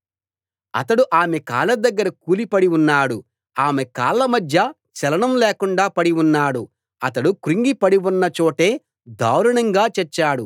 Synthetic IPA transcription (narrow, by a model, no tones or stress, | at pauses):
ɐ̰t̪ɐɽuʔaːmeka̰ːlɐd̪ɐɡːɐɾɐkuːlipɐɽiunːaːɽu | aːmekaːlːɐmɐd̪ʱjɐ | t͡ʃɛlɐɳɐmleːkuɳɖaːpɐɽiunːaːɽu | ɐt̪ɐɽukuɾiŋɡipɐɽiwunːɐt͡ʃoːʈe̞ː | d̪ʱa̰ːwɾɐɳɐŋɡaːt͡ʃɛt͡ʃːaːɽu